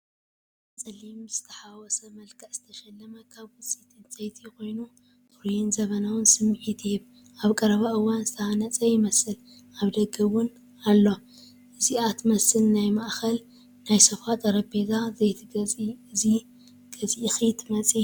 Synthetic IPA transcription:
t͡sʼɐlimz̥ɨt̪ʰɐħawɔsɐmɐlkʰɐʔz̥ɨt̪ʰɐʃɐlːɐmɐkʰaβwʊt͡sʼit̪ʰɨnt͡sʼɐjt̪ʰiko̞jnu | tuɾjɪnzɐβɐnawɨnsɨmːʕit̪ʰihɨβ | ʔaβkʼɐɾɐβaʔɨwːanzɨt̪ʰɐanɐt͡sʼɐjɪmɐsɨl | aβd̪ɐɡɐwʊn | alːo̞ | ʔɨziat̪ʰmɐsɨlnajmaʔxɐl | najsɐfat̪ʼɐɾɐbezazɐjt̪ʰɨzi | ɡ̥ɐzixit̪ʰmɐt͡sʼi

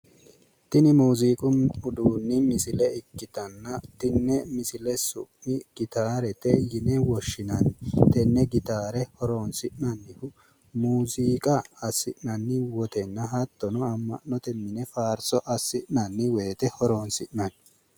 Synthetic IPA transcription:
t̪ɪnɪmuːziːkʼʊʊd̪uːnːɪmɪsɪlɛɪkːɪt̪ɐnːɐt̪ɪnːɛmɪsɪlɛsʊ̰ʔɪɡ̥ɪt̪aːɾɛt̪ɛjɪnɛwɔʃːɪnɐnt̪ɛnːɛɡɪt̪aːɾɛhɔɾoːnsɪʔnɐnːɪhʊ | muːziːkʼɐɐsɪʔnɐnːɪwɔt̪ɛnːɐɦɐt̪ːɔnɔɐmːɐ̰ʔɔt̪ɛmːɪnɛfaːɾsɔʔɐsːɪʔnɐnːɪwe̞ːt̪ɛhɔɾoːnsɪʔnɐn

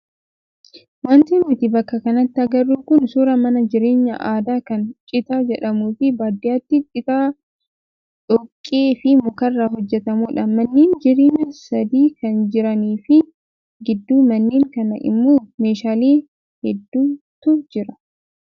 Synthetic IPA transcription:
want̪enut̪ɪbɐkːɐkɐnɐt̪ːɪɐɡɐrːuːkʊnsuːɾɐmɐnɐd͡ʒɪɾe̞ːɲːɐ̰ʔaːd̪aːkɐnt͡ʃʼɪt̪aːd͡ʒɛᶑɐmuːfɪbaːd̪ɪjaːt̪ːɪt͡ʃʼɪt̪aː | ᶑɔkʼːeːfɪmʊkɐrːahɔd͡ʒːɛt̪ɐmuːᶑɐmɐnːiːnd͡ʒɪɾeːɲːɐsɐd̪iːkɐnd͡ʒɪɾɐniːfɪ | ɡɪd̪ːuːmɐnːiːŋkɐnɐ̰ʔɪ̰mːoːmeːʃaːliː | hɛd̪ːuː | t̪ʊd͡ʒɪɾɐ

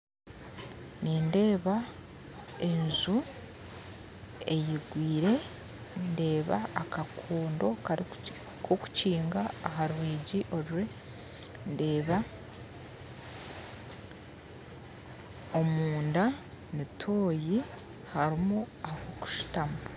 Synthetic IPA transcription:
ninde̞ːβa | e̞nzu | e̞jiɡwiːɾe̞ | nde̞ːβa̰ːkakʰuːndo̞ka | kʰoku̥ciːŋɡaːɦaɾuwiːɟiʔo̞ɾɾe | nde̞ːβa | o̞muːnda | mitʰo̞ːji | haɾimu | ahoku̥ʃu̥tamu

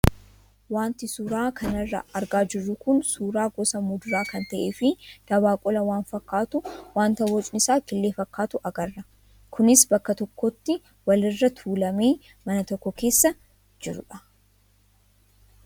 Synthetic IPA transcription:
waːnt̪ɪsuːɾaːkʰɐnɐrːɐ̰ɐɾɡaːd͡ʒɪrːʊkʊnsuːɾaːɡɔsɐmʊd̪ʊɾaːkɐnt̪ɐʔeːfɪd̪̥ɐbaːkʼɔlɐwaːnfɐkːaːt̪ʊwaːnt̪ɐwɔt͡ʃʼnɪsaːkɪlːeːfɐkːaːt̪ʊʔɐɡɐrːɐ | kʰʊnɪsbɐkːɐt̪ɔkːɔt̪ːɪ | wɐlɪrːɐt̪ʰuːlɐmeː | mɐnɐt̪ɔkːɔke̞ːsːɐ | d͡ʒɪɾʊ̰ᶑɐ̥

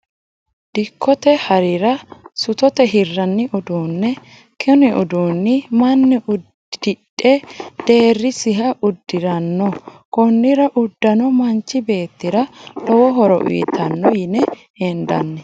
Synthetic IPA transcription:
d̪̥ɪkʰːɔt̪ɛhɐɾɪɾɐsʊt̪ɔt̪ɛɦɪrːɐnːɪʔʊd̪uːnːɛ | kʰɛnɪʔʊd̪uːnːɪmɐnːɪʔʊd | d̪ɪᶑʼɛd̪̥e̞ːrːɪsɪɦɐʔʊd̪ːɪɾɐnːɔkɔnːɪɾɐʔʊd̪ːɐnɔmɐnt͡ʃːɪbe̞ːt̪ːɪɾɐlɔwɔɦɔɾɔ̰ʔḭjːt̪ːɐnːɔjɪnɛ | hɛnd̪ɐ̰nːɛ

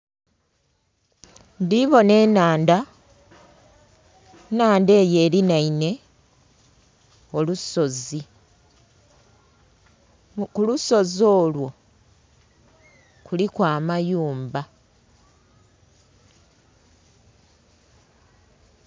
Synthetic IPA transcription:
ndiβo̞ne̞ːnaːnda | naːnde̞ːje̞ːɾinaine̞ | o̞luso̞zi | kuluso̞zo̞ːlwo̞ | kulikwaːmajuːmba

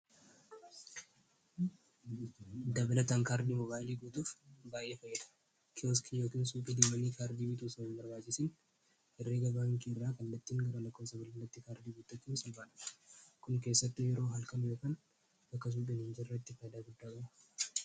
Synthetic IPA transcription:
d̪ɐblɐt̪ɐŋkaːɾd̪iːmɔbaːjɪliːɡuːt̪uːfbaːjʔːe̞ːfɐjːɛd̪ɐ̥ | kʰɪoskʰijo̞ːkiːnsuːpʼɪd̪ɪːmɐniːkaːɾd̪iːbɪt̪uːsɐɪnbɐɾbaːt͡ʃʼːɪsɪn | ʔɛrːeːɡɐbaːŋkiːɪrːaːkɐnlɐt̪ːiːŋɡɐɾɐlɐkːo̞ːsɐbɐlɐnlːɐt̪ːɪkaːɾd̪iːɡuːt̪ːɐt͡ʃːuːsɐlbaːᶑ̪ɐ̥kʊŋkeːsːɐt̪ːɪjɛɾo̞ːɦɐlkɐnjoːkaːn | bɐkːɐs̬uːp̬ʼɪnɪnd͡ʒɪɪrːɐt̪ːɪfɐjd̪aːɡʊd̪ːaːkʼɐmɐ

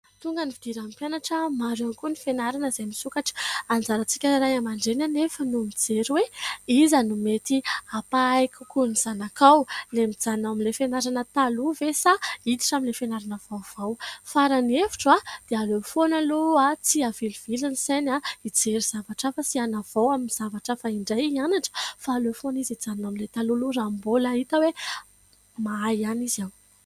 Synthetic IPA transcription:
t̪uŋɡanivid̪iɾampjanaʈ͡ʂəmaɾankunifenaɾanəzemisukaʈ͡ʂə̥and͡zaɾat͡si̥kʲəɾajamaɳɖ͡ʐenanefənumid͡zeɾweizanumet̪iapaajkukuniz̥anakawlemid͡zanawamilefenaɾanət̪aluvesaid̪i̥ʈ͡ʂamilefenaɾanəv̥awv̥awfaɾanefi̥ʈ͡ʂad̪̥ealofonaluat͡siaviliv̥ilinisenaid͡zeɾiz̥avaʈ͡ʂafasianav̥awaminiz̥avaʈ͡ʂəfaiɳɖ͡ʐajianaʈ͡ʂə̥faːlofonizid͡zanaminlet̪alulurambolait̪awe | maajanizaw

